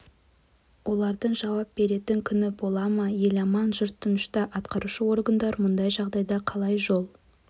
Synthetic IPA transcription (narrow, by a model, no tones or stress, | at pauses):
wo̞lˠɑɾd̪əɴʒɑwɑp̚b̥e̞ɾe̞t̪ɪŋkʲʰʏnɪbo̞lˠɑmɑje̞lɑmɑnʒʊɾt̪ʰːʊnʊʃt̪ɑʔɑt̪qɑɾuʃəwo̞ɾɡənd̪ɑɾmʊnd̪ɑjʒɑʁd̪ɑjd̪ɑqʰɑlˠɑjʒolˠ